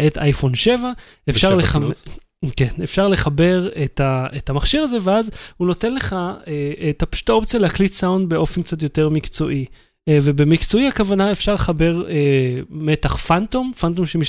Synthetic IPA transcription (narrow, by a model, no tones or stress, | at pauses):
ʔetajfo̞nʃe̞vaefʃaʁlea | kenefʃaʁle̞χabe̞ʁetaetamaχʃiʁaze̞veazhuno̞te̞nle̞χaeetapʃu̥taopt͡sijaleaklisawndbe̞o̞fenkt͡sat̬jo̞te̞ʁmikt͡so̞ʔi | vebe̞mikt͡so̞iakavanae̞fʃaʁleχabe̞ʁeme̞taχfantomfantomʃemiʃ